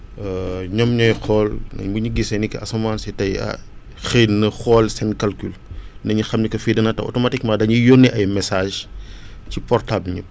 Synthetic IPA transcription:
ɲɔmɲɔjxɔːlnɐ̰buɲiɡisɐnikːɐɐsɐmaːnsɛtɐjɐ̰ | xenɐxɔːlsɛnkɐlkylnɐɲixɐmnikɐfidɐnɐtɐ̰ʔɔ̰tɔmɐtik̚madɐɲujɔnːɛʔɐjmɛsaːʒ | cipɔrtablɲṵ

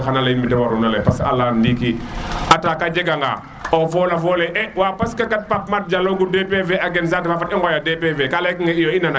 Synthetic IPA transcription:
xanalajinbitɛwaɾunalɛpasa̰landikiʔataːkad͡ʒɛɡaŋɡa̰ | ɔfɔlafɔːlɛʔɛwaːpaskakat̚pap̚mat̚d͡ʒaloɡudepeveaɡɛns̬atfafatɛŋɡɔjadepevekalɛkiŋaijoinana

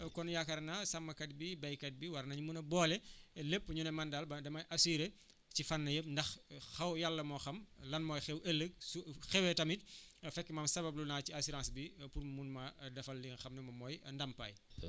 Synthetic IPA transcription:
kɔnjakɐɾnasɐmːɐkɐt̚bibɛjkɐt̚biwɐɾnɐɲumunɐbɔːlɛlepːɲunɛmɐndalbɐdɐmɐjʔasiːɾe | cifanːɐjəp̚ndɐxxɐwjalːɐmɔxɐmlɐnmɔːjxɛwʔelːək̚suxɛwɛtɐmit̚fɛkːɛmɐmsɐβɐb̚lunaːiasiɾãːsbipurmunmɐdɐfɐlːixɐmnɛmɐmɔːjndɐmpɐ̰j

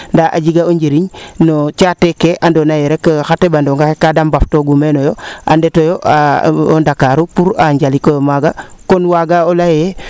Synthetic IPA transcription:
ndaʔa̰ɟiɡaoɲɟeɾiɲnot͡ʃatekeʔandonajeɾekxatebandoŋɡakekːadambaftoɡumenojoa̰ndetojoʔa̰o̰ndakaɾupuɾaɲɟalikojomaɡakonwaɡaolajee

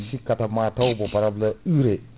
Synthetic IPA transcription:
sikatamatawbopaɾablɐɯɾe

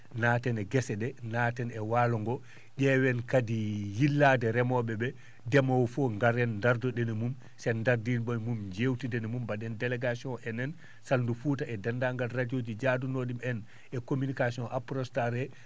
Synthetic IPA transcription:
naːtɛnɛɡɛsɛdɛnaːtɛnɛwalɔŋɡɔ | ʄɛwɛnkadijilːadɛɾɛmɔɓɛbɛ | dɛmɔwɔfɔŋɡaɾɛnːdaɾdɔɗɛnɛmum | sɛndaɾdinbɔjmumd͡ʒewtidɛnɛmumbaɗɛndɛlɛɡasiɔ̃nʔɛnɛn | salndufuːtaʔɛdandaŋɡalradiod͡ʒid͡ʒadunoɗimɛn | ɛkominikasiɔ̃nʔapɾɔstaɾɛ

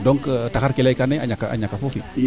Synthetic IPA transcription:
doŋktaxaɾkilakaneaɲakaa̰ɲakafofi

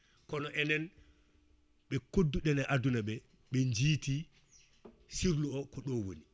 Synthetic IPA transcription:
kɔnɔʔɛnɛn | ɓɛkodːuɗɛnaʔadunaɓɛ | ɓɛɲd͡ʒiːti | siɾluɔkɔɗɔwo̰ni

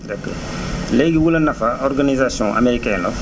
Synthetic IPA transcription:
dɛkːɔ̰ | lɛjɡiwulɐnɐfɐɔrɡanizasjɔ̃ʔa̰meɾikɛnɔ

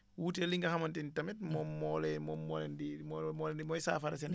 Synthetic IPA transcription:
wuːteliŋɡɐhamantintamɛt̚mɔmːɔlɛmɔmːɔlɛndimɔmɔlɛndimɔjsa̰ːfaɾas̬ɛn

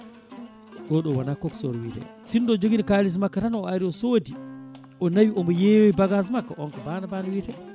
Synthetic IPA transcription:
ɡɔɗɔwanakːɔksɔɾwitɛ̰sindɔd͡ʒoɡinikalis̬makːatanɔɔaɾiɔsodi | ʔɔnawiʔɔmɔjewoibaɡas̬makːaʔɔnkɔbanabanawitɛ

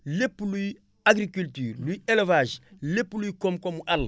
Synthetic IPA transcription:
lepuluj | aɡɾikylt̪yɾlujelevaʒlepulujkomukomuʔalɐ

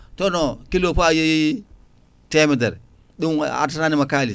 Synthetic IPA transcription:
tonokilopaji | temideɾ | ɗuŋa̰taanimakali

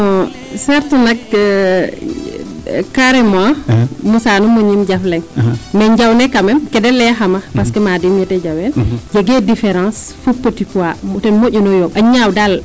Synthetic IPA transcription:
ɔ | sɛɾtɛnak | kaɾɛmɔamusanumoɲimɟaflɛŋmɛɲɟawnɛkamɛmkɛdɛlːɛɦamapaskemadimjɛtɛd͡ʒawɛnd͡ʒeɡɛdifɛɾãs | fupːotipuamtɛnmoʔunɔjɔɓaɲawdal

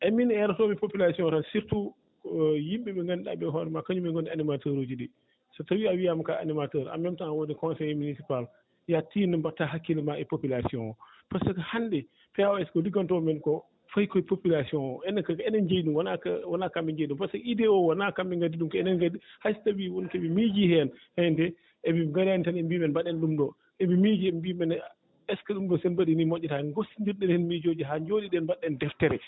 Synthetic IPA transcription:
ʔɛminɛɾatɔmɛpopilasiɔ̃ntansiɾtu | jimɓɛbɛŋɡandɗa̰bɛɦɔɾɛmakaɲumɛŋɡondianimatəɾod͡ʒidi | satawiawijamakaa̰nimatəɾa̰mɛmtanawodikɔnsɛjminisipal | jatiːnɛmbatːaɦakːilɛmaɛpopilasiɔ̃ŋɔ | pasakahandɛ | pɛawɛskɔliɡantɔmɛnkɔ | fajkɔɛpopilasiɔnɔɛnkɛnɛnd͡ʒejɗumwanawanakambɛɲd͡ʒajɗumpasakidɛɔwanakambɛŋɡadiɗumkɔɛnɛnɡadihajstabiwɔnkɛbimid͡ʒihɛanhɛntɛ | ɛbiŋɡaɾantanɛmbimɛnbaɗːɛnɗumɗɔ | ɛbimid͡ʒiɛmbimɛn | ɛskaɗumdɔsɛnbaɗinimoʔɛtaŋɡosiɲd͡ʒiɾɗɛnɛnmid͡ʒod͡ʒiɦad͡ʒoɗiɗɛnbaɗːɛndɛftɛɾɛ

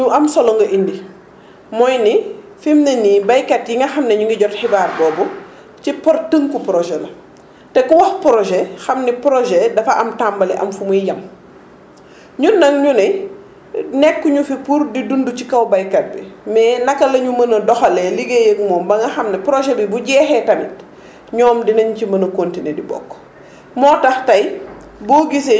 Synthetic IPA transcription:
ɲuʔɐmsɔlɔŋɡɐʔindi | mɔjni | fimnɐnibɐjkɐtjiŋɡɐxɐmnɛɲuŋɡɐɟɔrtxibaːrbɔːbɔ | cipɔrtəŋkupɾɔʒɛlɐ | tɛkuwɐxpɾɔʒɛxɐmnipɾɔʒɛdɐfɐʔɐmtambɐlɛʔɐ̰mfumujjɐm | ɲunːɐŋɲunɛ | nɛkːuɲufipuɾdidunducikɐwbɐjkɐt̚bḭmɛːnɐkːɐlɐɲumɐnɐdɔxɐlɛliɡejəkmɔːmbɐŋɡɐxɐmnɛpɾɔʒɛbibuɟɛːxɛtɐmit̚ | ɲɔːmdinɐɲcimɐnɐkontinedibɔ̰kː | mɔːtɐxtɐj | bɔːɡise

